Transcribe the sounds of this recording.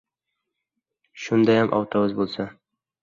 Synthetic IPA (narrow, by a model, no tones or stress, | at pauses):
ʃʊnd̪ɑjamʔɒ̰wt̪ɑwɤzbolˠsa